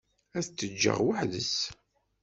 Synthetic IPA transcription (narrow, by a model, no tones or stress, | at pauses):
æθt͡s̪ːəd͡ʒːə̰ʁwəħðəs